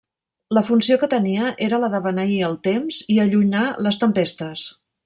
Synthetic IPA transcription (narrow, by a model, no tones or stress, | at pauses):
ləfunsiokət̪əniəʔeɾələðəβəniəlˠt̪emziəʎunaləst̪əmpest̪əs